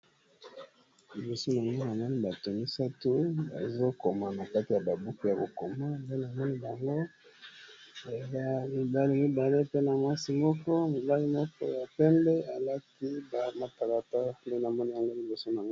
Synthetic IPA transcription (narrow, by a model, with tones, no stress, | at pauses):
li˨bo˨so˦na˨ŋɡo˦na˨mɔ˦ni˦ba˨to˨mi˦sa˦tu˦ba̰˨zo˦ko˨ma˨na˨ka˦ti˨ja˨ba˨bu˦ku˦ja˨ko˨ko˨ma˦nde˦na˨mɔ˦ni˦ba˨ŋɡo˦˨ | za˦mi˨ba˦li˦mi˦ba˨le˦pe˦na˨mwa˦si˨mɔ˦kɔ˦mi˨ba˦li˦mɔ˦kɔ̰˦ja˨pɛ˦mbɛ˦a˨la˦ki˦ba˨ma˨ta˨la˨ta˦ple˦na˨mɔ˦ni˦ja˨ŋɡo˦li˨bo˨so˦na˨ŋɡo˦